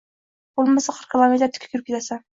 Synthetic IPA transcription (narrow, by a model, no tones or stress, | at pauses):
bolˠmasaqʰəɾkʰʲɪlˠomet̪ɾt̪ʰɪ̥kʰʲɪ̥kʰʲʏɾɪpkʲet̪ʰasa